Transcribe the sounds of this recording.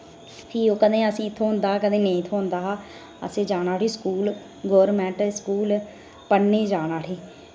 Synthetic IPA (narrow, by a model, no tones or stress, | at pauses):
p̪ʰiːoːkəd̪ẽːəsĩːɪt̪ʰːõːɦʊnd̪aːaːkəd̪ẽːnẽĩːt̪ʰõːɦʊ̃nd̪aːɦaː | ə̰seːd͡ʒaːɽaːʈiːskuːl | ɡoːɾmɛ̃ːɳʈskuːl | pəɽneːd͡ʒaːɽaːʈʰiː